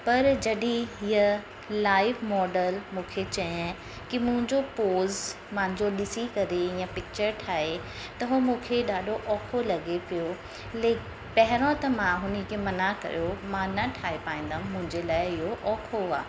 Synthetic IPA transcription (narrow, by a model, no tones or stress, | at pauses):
pɐɾd͡ʑɐɗĩɦiə | laːɪʋmɔːɖəlmũːkʰet͡ɕɐ̃ | kimʊ̃ɦɪ̃ɲd͡ʑopoːz | mãːɪ̃ɲd͡ʑoɗɪsikɐɾeijãpɪk̚t͡ɕəɾʈʰaːɦe | t̪ɐɦomũːkʰeɗaːɗʱoʔɔːkʰolɐɠepijo | leː | pɐɦɪɾõt̪ɐmãɦʊnəkʰemɐnakɐ̰jomãnɐʈʰaːepaːĩːnd̪ãːmʊ̃ɦɪ̃ɲd͡ʑelaːɪɪɦoʔɔːkʰoa̰ː